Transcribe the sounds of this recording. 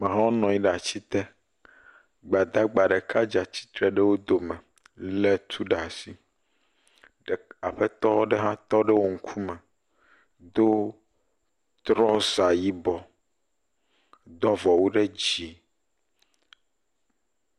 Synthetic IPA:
mẽ˨ɦã˦wo˦nɔ̃˨jĩ˦ɖa˨t͡ɕi˦t̪ɛ˦ | ɡ͡ba˨d̪a˦ɡ͡ba˨ɖe˨kʰa˦d͡ʒa˨t͡ɕi̥˦t̪ɾɛ˨ɖe˦wo˦d̪o˨mɛ̃˨ | le˦t̪ʰu˦ɖa˨si˦ | ɖa˨ɸe˦t̪ɔ˦ɖe˦ɦã˦t̪ɔ˦ɖe˦wo˦ŋ̩˦kʰu˦mɛ˨ | d̪o˦ | t̪ɾɔ˦sa˨ji˦bɔ˨ | d̪ɔ˦vɔ˨wo˦ɖe˦d͡ʑi˨

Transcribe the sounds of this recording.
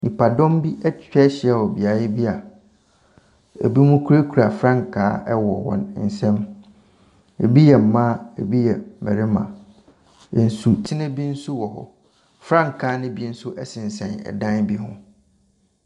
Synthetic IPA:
nĩ˨pʰa˨dɔ̃˦mbi˦ʔɛ˦t͡ɕᶣɛ˦ɕɪ˨˦ɛ˦˨wɔ˨bi˨a˨jɪ˦bi˦a˨ | ḛ˨bi˦mũ˦kʰu˦ɾe˦kʰu˨ɾa˨fɾã˦ŋ˨kʰaː˨˦ɛ˦wɔ˨wɔ̰̃˦nn̩˨sɛ̃˦m | ḛ˨bi˦jɛ˨m̩˨mã˦e˨bi˦jɛ˨mɛ̰˨ɾɪ˦mã̰˨ | ɛ˨n̩˨su˨t͡ɕʰi˦nɪ̃˦bi˦n̩˦su˦wɔ˨ɦɔ̰˨ | fɾã˦ŋ̩˨kʰaː˨˦nʊ̃˦bi˦n̩˦sʊ˦ʔɛ˦sɪ̃˨n˨sɛ̃˨nɛ̰˨dã˦nbi˦ɦʊ̰̃˦

